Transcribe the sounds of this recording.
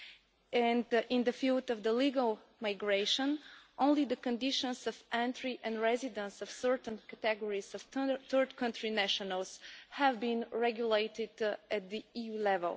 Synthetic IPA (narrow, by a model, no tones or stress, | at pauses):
ɛ̃ndɪ̃ndəfilˠdʌvðəliɡəlˠmaɪɡɹeɪʃə̃nʔõʊ̃nlidəkɨ̃ndɪʃə̃nsʌvæ̃ntɹiʔɛ̃nɹɛzɪdə̃nsʌv̥sɜ˞tn̩kɨt̪ɛɡɔɹizʌv̥θɜ˞dkʰʌ̃ntɹinæʃənəlˠshævbĩnɹɛɡjuleɪtɪdɨt̪̚d̪iijulɛvə̰lˠ